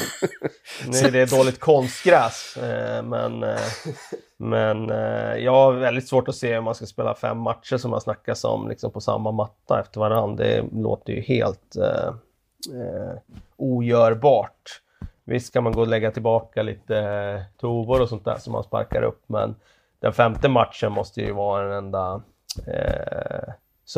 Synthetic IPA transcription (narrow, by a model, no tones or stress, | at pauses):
nʉ̟ːæɖɛd̪oːlɪɡt̪̚kʰɔnst̪ɡɾɛːsmɛ̰n | mɛnjɑːɡaɾvɛld̪ɪt̪svoːʈɔseːɵmːanskaspeːla̰fɛ̰mːat̪ʂəʂɔma̰nsnakːasɔ̰mlɪksɔmpʰɔsa̰mːamat̪ːaɛft̪əɾvaɾand̪d̪ɛ̰lo̰ːt̪əjɵ̰hḛːlt̪ | uːjœːɾbɑːʈ | vɪ̰st̪kʰanmanɡoːlɛɡːat̪ʰɪlbɑːkaliːt̪ət̪ʰuːvʊɾɔsɔnt̪̚d̪æ̰ːʂɔmːa̰nspa̰ɾkaɾʔɵ̰pːmɛ̰n | d̪̥ɛnfɛmt̪əmat̪ʂənmɔst̪əjɵ̰vɑːɾaɛnɛnd̪a | s